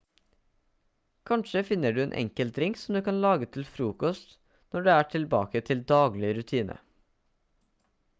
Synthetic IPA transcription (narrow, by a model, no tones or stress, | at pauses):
kʰɑnʃəfɪnəɖʉːeːnʔɛ̰ŋkəlt̪ɾɪŋksɔmd̪ʉːkɑnlɑːɡət̪ʰɪlfɾuːkɔst̪ | nɔɖeːæːʈʰɪlbɑ̰ːkət̪ʰɪld̪ɑːɡlɪɾʉt̪ʰiːnʔə̰